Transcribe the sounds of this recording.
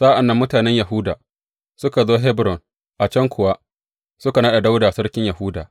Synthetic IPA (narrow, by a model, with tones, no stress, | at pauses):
saː˦ʔa˨nːɐ˦mːʊ˦taː˨nɛ˦ɲja˨ɦʊː˦da̰ː˨ | sʊ˦ka˨zoː˦ɦɛ˦bɾɔ˨n | ʔa˨t͡ʃɐ˦ŋkʷʰʊ˨wa˦ | sʊ˦ka˨naː˦ɗa˨da˦wda˨sɐ˦ɽkʲɪ˦ɲja˨hʊː˦da̰ː˨